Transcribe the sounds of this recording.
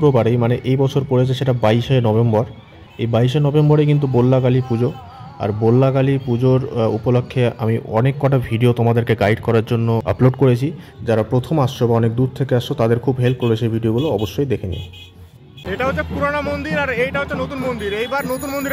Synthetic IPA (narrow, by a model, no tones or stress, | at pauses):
kɾobaɾejmaneʔejbɔt͡ɕʰoɾpoɾet͡ɕʰeʃeʈabaiʃenɔbembɔɾ | ejbaiʃenɔbembɔɾejk̬int̪̬ubolːakalipud͡ʑo | a̰ɾbolːakalipud͡ʑoɾṵpolokʰːea̰miɔ̰nekːɔʈabʱiɖiot̪ɔmad̪eɾkeɡajɖkɔɾaɾd͡ʑonːoə̰ploɖkoɾet͡ɕʰid͡ʑaɾapɾot̪ʰomaʃʃobaɔnek̚d̪uɾ̚t̪ʰekeaʃʃot̪ad̪eɾkʰubɦelp̚koɾeʃʰebʱiɖioɡuloɔboʃːojd̪ekʰenḭ | eʈaɦotːʰepuɾonamond̪iɾaɾejʈaɦoːʃʰenot̪unmond̪iɾejbaɾnot̪unmond̪iɾ